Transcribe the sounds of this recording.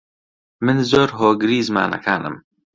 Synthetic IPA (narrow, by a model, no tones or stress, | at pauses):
mɨnzoːɾɦoːɡɨɾiːzma̰ːnɐ̰kʰaːnɨ̰m